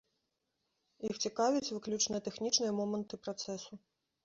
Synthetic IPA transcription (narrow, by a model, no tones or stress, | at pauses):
ixt͡sʲikavʲit͡sʲvɨklʲut͡ʂnɨjɐt̪ɛxnʲit͡ʂnɨjɐmɔmɐnt̪ɨpɾat̪sɛsu